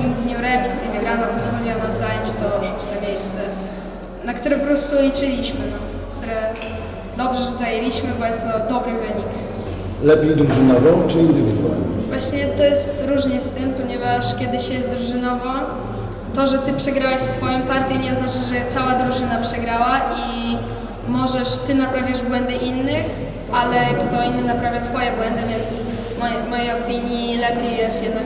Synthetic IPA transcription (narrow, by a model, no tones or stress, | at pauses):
imd̪ɲuɾɛmʲisivɨɡɾanapɔzvɔlʲiwɔnamzajɔɲt͡ɕt̪ɔut͡ɕnamʲjejst̪sɛ | nakt̪uɾɛpɔɾɔst̪ulʲit͡ʂɘlʲiɕmɘnɔ | kt̪uɾɛ | d̪ɔbʐɛzajelʲiɕmɘbɔjɛst̪ːɔd̪ɔbɾɘvɘɲik | lɛpʲjejd̪ɾuʐɨnɔvɔ̃w̃t͡ʂɘind̪ɘvʲid̪ṵa̰lɲɛvwaɕɲɛt̪ɔjɛst̪ɾuʐɲɛst̪ɘmpɔɲɛvaʂkʲɛd̪ɘɕjɛsd̪ɾuʐɨnɔvɔ̃ | t̪ɔʐɛt̪ɘpʂɛɡɾawɛʂfsfɔjɔ̃w̃paɾt̪ʲjɛɲɛznat͡ʂɘʐɛt̪sawad̪ɾuʐɘnapʂɛɡɾawaʔi | mɔʐɛʂt̪ɘnapɾavʲjaʐbwɛnd̪ɛʔinːɘx | ʔalɛkt̪ɔinːɨnapɾavʲjat̪fɔjɛbwɛnd̪ɨvʲjɛnt̪s | mɔjvmɔjejɔpʲiɲjilɛpʲjejjːɛst̪jɛd̪na